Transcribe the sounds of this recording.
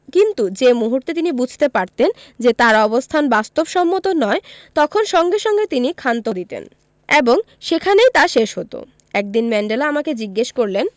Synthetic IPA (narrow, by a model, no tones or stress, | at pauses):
kint̪ud͡ʑemuɦuɾt̪et̪inibud͡ʑʱt̪epaɾt̪end͡ʑet̪aɾɔbost̪ʰanbast̪obʃɔmːot̪onɔet̪ɔkʰonʃɔŋɡeʃɔŋɡet̪inikʰant̪od̪it̪ḛn | eboŋ | ʃekʰanejt̪aʃeʃɦot̪o̰ | ɛk̚d̪inmɛɳɖelaamaked͡ʑiɡːeʃkoɾlen